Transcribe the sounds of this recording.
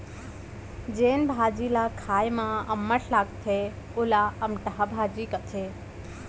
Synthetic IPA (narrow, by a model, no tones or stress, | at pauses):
d͡ʒeːnbʱaːd͡ʒilakʰaːjmãəmːəʈʰlaːkt̪ʰe | ʊlaəmʈəɦabʱaːd͡ʒikət̪ʰe